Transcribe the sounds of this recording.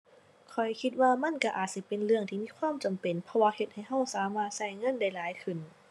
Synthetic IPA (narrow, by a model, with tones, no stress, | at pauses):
kʰɔ˨˩jkʰi˧t̪̚waː˧ma˧˥˨nka˧˩ʔaː˨˩t̪̚si˧˩pe˨nlɯ˧əŋt̪ʰiː˧˨miː˧˥˨kʰwaː˧˥˨mt͡ɕa˨mpe˨˩npʰɔ˧waː˧he˧t̪̚ha˨˩jɦa˧˩w̚saː˨˦maː˧˩t̪̚sa˧˥˩jŋɤ˧˥˨nda˧˥˩jlaː˨˦jkʰɯ˧˩˨n